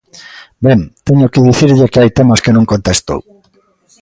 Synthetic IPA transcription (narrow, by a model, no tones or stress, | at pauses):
beŋt̪eɲokɪðiθiɾʎekeajt̪emɐskenũŋkont̪est̪o̰w